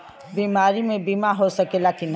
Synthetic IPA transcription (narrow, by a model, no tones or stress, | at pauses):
biːmaːɾimẽbiːmaɦosɐkelaːkɪn